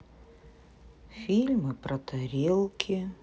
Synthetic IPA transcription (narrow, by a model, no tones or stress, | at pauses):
fʲilʲmɨpɾɐt̪ɐɾʲelˠkʲʰɪ